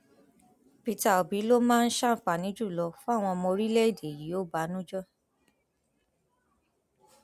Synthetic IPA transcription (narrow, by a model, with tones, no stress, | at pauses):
pi˧ta˨o˨bi˨˦lo˦mãː˦˧n̩˦ʃa˦˨˦fa˨nĩ˨˦d͡ʒu˦˨lɔ˧fu˦a˦˨w̃ɔ̃˧ɔ˧mõ˧ɾi˦lɛ˦i˦˨de˨ji˨˦o˦ba˨˦nũ˦d͡ʒɔ˦